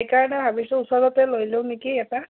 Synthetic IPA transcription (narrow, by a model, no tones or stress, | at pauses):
jkaɖaɦabisɔusɔdɔt̪elojlewnikiet̪a